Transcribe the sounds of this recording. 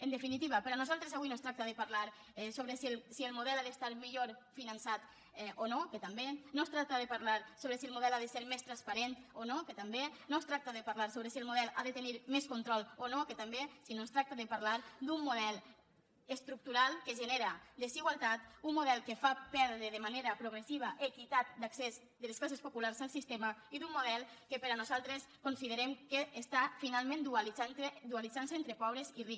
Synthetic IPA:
ənd̪efinit̪iβapeɾanuzalˠt̪ɾezaβuinost̪ɾak̚t̪aðəpaɾlaɾ | ɛsoβɾesilsiəlˠmuðɛlaðest̪aɾmiʎoɾfinansat̪ | ɛʔonokət̪ambenost̪ɾak̚t̪aðəpaɾlaɾsoβɾesiəlˠmuðɛlaðəseɾmest̪ɾanspaɾent̪onokət̪ambenost̪ɾak̚t̪əðəpaɾlaɾsoβɾəsielˠmuðɛla̰ðət̪əniɾmeskunt̪ɾɔlˠonokət̪ambesinost̪ɾak̚t̪əðəpaɾlaɾd̪umːuðɛlˠ | əst̪ɾuk̚t̪uɾalˠkəʒəneɾəd̪əziɣwalˠt̪at̪umːuðɛlˠkəfapɛɾðɾəðəmaneɾəpɾuɣ̞ɾesiβaʔekit̪at̪̚d̪aksez | d̪ələsklas̬espopulaɾzalˠsist̪emaiðumːuðɛlˠkəpəɾanuzalˠt̪ɾeskonsiðəɾemkeːst̪afinalˠmẽnd̪uliand̪ualizans̬eent̪ɾəpɔβɾeziri

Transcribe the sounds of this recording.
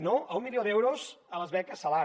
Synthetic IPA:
noʔɐumːiliod̪ɛwɾozələzβɛkəsɐla

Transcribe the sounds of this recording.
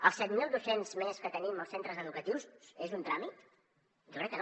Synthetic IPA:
əlˠsɛt̪milˠd̪osenzmeskət̪əniməlˠsent̪ɾəzəðukət̪iwzezunt̪ɾamit̪ | ʒokɾɛkːən

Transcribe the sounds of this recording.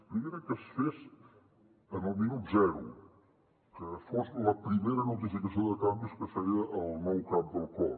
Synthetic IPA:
pɾimeɾəkəsfez | ənəlˠminut̪zɛɾṵ | kəfozləpɾimeɾənut̪̬ifikəsioðət̪ambiskəsəɾiəʔəlˠnɔwkap̚d̪əlˠkɔ

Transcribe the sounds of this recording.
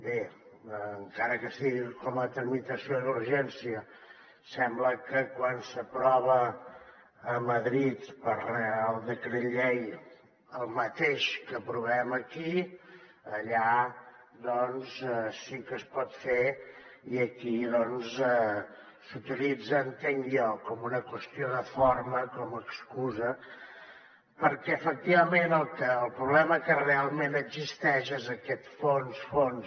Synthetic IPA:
be | əŋkaɾəkəsiɣikɔmət̪ɾəmit̪əsiod̪uɾʒɛnsiə | sɛmbləkəkwansəpɾɔβəː | məðɾit̪pəɾrealˠd̪əkɾəʎej | əlˠmət̪eʃkəpɾuβɛməki | əʎa | d̪ɔnszɛsikəspɔt̪feiəkiðɔnzɛ | sut̪ilid͡zəːnt̪eŋjɔkɔmunəkwəst̪ioðəfoɾməkɔməkskuzə | pəɾkɛəfək̚t̪iβəmenəlˠkəːlˠpɾuβlɛməkərealˠmenəɡzist̪ɛʃezəkɛt̪fonsfons

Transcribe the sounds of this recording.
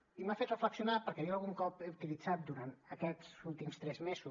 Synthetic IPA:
imafet̪rəfləksiunapəɾkɛjoəlˠɣuŋkɔpeut̪ilid͡zat̪̚d̪uɾant̪əkɛzulˠt̪imst̪ɾɛzmezu

